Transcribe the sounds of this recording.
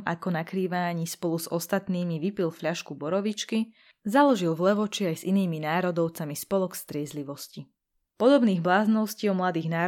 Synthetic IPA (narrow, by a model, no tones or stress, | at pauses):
a̰kɔnakɾiːʋaɲiːspɔluzɔst̪at̪niːmiʋipilfʎaʃkubɔɾɔʋit͡ʃki | zalɔʒilvlɛʋɔt͡ʃiajziniːminaːɾɔd̪ɔʊt͡samispɔlɔkst̪ɾɪɛzliʋɔsci | pɔd̪ɔbniːɣblaːznɔʊsciɔmlad̪iːɣnaː